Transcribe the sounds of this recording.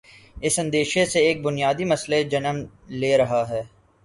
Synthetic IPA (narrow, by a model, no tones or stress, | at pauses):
ɪsɐ̃nd̪eːʃeseeːk̚bʊnijaːd̪imɐsled͡ʒɐnəm | leːɾɐɦaɦɛː